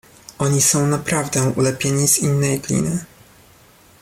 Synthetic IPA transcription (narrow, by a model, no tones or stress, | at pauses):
ʔɔɲisɔ̃w̃napɾavd̪ɛ̃ʔulɛpʲjeɲiz̥inːɛjɡlʲḭnɘ